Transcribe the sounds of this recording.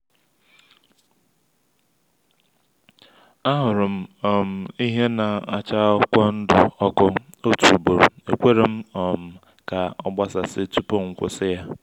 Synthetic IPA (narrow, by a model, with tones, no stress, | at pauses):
a˦ɦʊ˨ɾʊ˨m̩˦ɔ˨m̩˨i˦ɦe˦na˨a˨t͡ʃa˦ɔ˦kʷɔ˦n̩˦dʊ˨ɔ˦kʊ˦ | o˦tu˨bo˨ɾe˨kʷe˦ɾe˨m̩˦ɔ˨m̩˨ | ka˨ɔ˦ɡ͡ba˦sa˨sɪ˦t͡ʃu˦po˦ŋ̩˨kʷʊ̰˦sɪ˦ja˦